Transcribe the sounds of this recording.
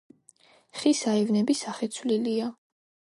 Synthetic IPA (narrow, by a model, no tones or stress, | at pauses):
χisaɛvnɛbisaχɛt̪sʰvlilia